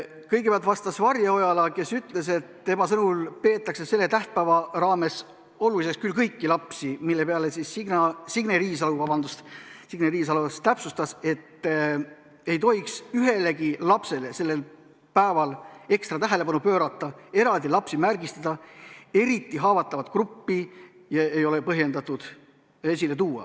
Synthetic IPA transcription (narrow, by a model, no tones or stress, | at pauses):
kɤjɡ̥epeɑlt̪vɑst̪ɑsvɑrjɑo̞jɑlɑke̞syt̪ˑle̞se̞t̪t̪e̞mɑsɤnulpe̞ːt̪ːˑɑksese̞lːet̪æht̪̚pæːvɑrɑːme̞s | o̞lulise̞st̪kylkɤjkːilɑpsimilːe̞peɑlesisːiɡnɑsiɡneɾiːsɑluvɑbɑnd̪̥ust̪siɡneɾiːs̬ɑlust̪æpsust̪ɑse̞t̪ː | e̞jt̪o̞iksyɦe̞le̞ɡilɑpse̞le̞se̞lːe̞l | pæevɑle̞kst̪rɑt̪æɦe̞le̞pɑnupø̞ːɾɑt̪ːˑɑe̞ɾɑld̪ilɑpsimærɡ̥ist̪ɑd̪̥ɑe̞ɾit̪ːˑiɦɑːvɑt̪ːˑɑvɑt̪krupːi | jɑejo̞le̞pɤɦje̞nd̪ɑt̪ˑud̪̥ | esʲile̞t̪uːɑ̰